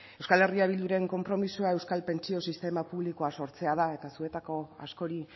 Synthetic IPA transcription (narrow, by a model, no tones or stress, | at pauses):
e̞wskale̞riaβild̪uɾe̞ŋko̞mpɾo̞misuae̞wskalpe̞nt͡sio̞sist̪e̞mapuβliko̞aso̞ɾt͡se̞að̞ae̞t̪asue̞t̪ako̞a̰sko̞ɾi